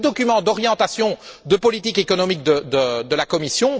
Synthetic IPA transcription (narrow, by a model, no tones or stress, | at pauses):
d̪ɔkʲymɑ̃d̪ɔʁjɑ̃t̪asjɔ̃d̪əpɔlit̪ikekɔnɔmik̚d̪əd̪əd̪əlakɔmisjɔ̃